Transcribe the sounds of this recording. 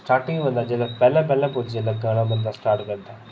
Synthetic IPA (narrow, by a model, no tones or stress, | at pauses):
sʈaːɾʈɪ̃ŋɡʋə̃nd̪ad͡ʒeːlapɛːlãpɛːlãpʊd͡ʒd͡ʑeːlãɡaːɽ̃ãbə̃nd̪asʈaːɾʈkənt̪aː